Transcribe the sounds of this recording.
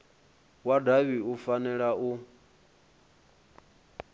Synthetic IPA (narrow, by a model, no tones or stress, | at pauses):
wadaβiufanɛɺaʔu